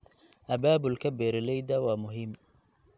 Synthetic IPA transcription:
ʔɐbaːbʊlkʰɐbɛːɾɪlɛjd̪ɐwaːmʊɦɪm

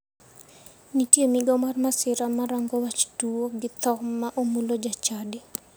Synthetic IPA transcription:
nitjemiɡɔmarmasɪɾamaɾaŋɡowat͡ʃtuoɡɪt̪ɔkmaʔomulod͡ʒat͡ʃadɪ

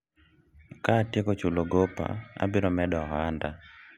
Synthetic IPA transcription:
katjekot͡ʃuloɡopa̰a̰bɪɾɔmɛdɔɦanda

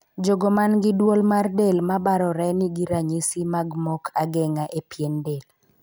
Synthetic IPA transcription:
d͡ʒoɡomanɡɪdwolmardelmabaɾɔɾɛnɪɡiɾaɲisimaɡmɔkʰaɡɛŋaʔepjendel

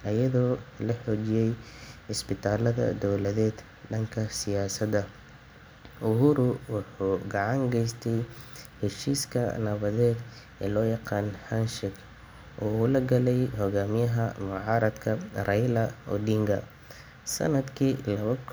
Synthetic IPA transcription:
ʔɐjɐðɔːlɐħɔːt͡ʃɪjɛjɪsbɪt̪ʰaːlɐðɐ̰d̪ɔwlɐðɛːd̪ | ɖɐŋkʰɐsɪjaːsɐd̪ɐ | ʔʊɦuːɾʊwɑħuːɡɑʕɑŋɡɛjst̪ʰɛjhɛʃiːskʰɐ̰nɐβɐðɛːd̪ | ʔɛ̰ːlɔːjɑqɑːnhɐnʃɪɡ | ʔɔːʊlɐɡɐlɛjhɔɣaːmɪjɐɦɐmʊʕɑːɾɐd̪kʰɐrɛjlɐɔ̰ɖiːŋɡɐ | sɐ̰nɐd̪kʰiːlɐβɐk

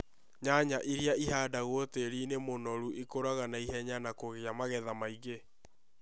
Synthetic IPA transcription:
ɲaɲaʔiɾiaiɦaːdaɣwoteɾiːnemonɔɾuʔikoɾaɣanaiɦɛɲanakoɣeamaɣɛðamaiɣe

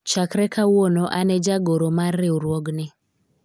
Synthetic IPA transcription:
t͡ʃakɾɛkʰawonɔʔanɛd͡ʒaɡoɾomarːɪuɾwɔɡnɪ

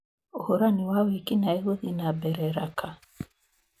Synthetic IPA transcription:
ohoɾaniwawikinaeɣoðinabɛɾɛɾakʰa

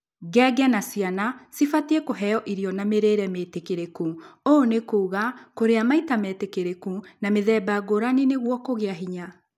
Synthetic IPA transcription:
ɡɛːɡɛnasianasifatiɛkoɦɛjɔʔiɾiɔnameɾeɾɛmetekeɾekuonekoːɣakoɾeamaitamɛtekeɾekunameðɛbaɡoɾaneneɣwɔkoɣeaɦiɲa

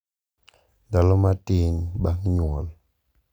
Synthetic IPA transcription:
dalɔmatinbaŋɲwɔl

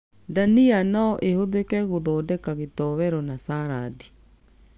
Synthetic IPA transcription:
danianɔʔehoðekɛɣoðɔdɛkaɣetɔβɛɾɔnasaɾadi

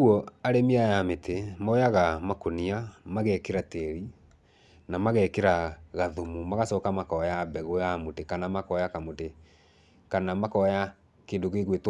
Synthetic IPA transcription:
uɔaɾemiajametʰemɔjaɣamakoniamaɣɛkeɾateɾi | namaɣɛkeɾaɣaðomumaɣasɔːkamakɔjabɛɣojamotekanamakɔjakamote | kanamakɔja | keːndoɣeɣwet

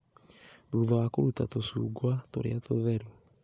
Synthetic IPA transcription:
ɾuðɔwakoɾutatosuːɡwatoɾḛatoðɛɾu

